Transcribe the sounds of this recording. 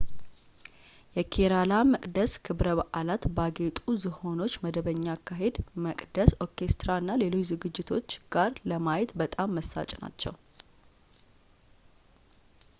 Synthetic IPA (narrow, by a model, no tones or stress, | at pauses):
jɛkʰeɾalaməkʼd̪əskʰɨβɾəβaʔalat̪baɡe̞t̪ʼuzɨho̞no̞t͡ʃːməd̪əβəɲːaːkːaɦe̞d̪məkʼd̪əso̞ke̞st̪ɾaɨnːale̞lo̞t͡ʃːzɨɡɨd͡ʒːɪt̪ʰo̞t͡ʃːɡ̥aɾləmajet̪bət̪ʼamːəsːa̰t͡ʃʼna̰t͡ʃːɛ̰w